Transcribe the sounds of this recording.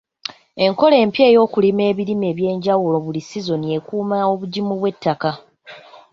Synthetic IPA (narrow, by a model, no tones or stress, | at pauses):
e̞ŋko̞le̞ːmpje̞ːjo̞ːkulime̞ːβiɾime̞ːβje̞ːɲɟawulo̞βulisizo̞nie̞kuːmao̞βuɟimuβwe̞tːaka